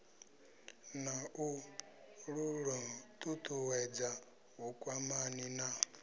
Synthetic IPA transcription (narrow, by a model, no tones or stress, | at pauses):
naʔu | ɺuɺɔtʼutʰʼuwɛd͡za | ukʼwamanina